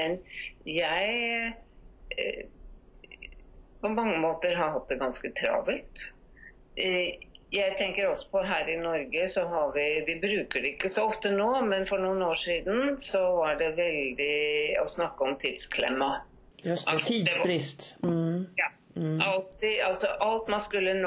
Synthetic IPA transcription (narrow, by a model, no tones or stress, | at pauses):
mɛnjæɪ | pʰɔmɑŋːəmoːt̪əɾɦɑɦɑt̪̚d̪ɛɡɑnskət̪ʰɾɑ̰ːbɪlt̪ | jæɪt̪ʰɛŋkəɾɔsːɔ̥pɔɦæːɾɪnɔɾɡəsɔɦɑɾʋɪʋɪbɾʉːkəɖɛɪkːəsɔɔft̪ənoːmɛnfɔɳuːnoːʂiːd̪n̩sɔʋɑɖɛʋɛld̪ɪɔsnɑkːəɔmt̪ʰiːd̪̥skʰlɪ̰mːɑ | ɑiːd̪ɛɾɪst̪ | jɑː | ɑlt̪ɪɑlsɔʔɑlt̪mɑnskʉlːən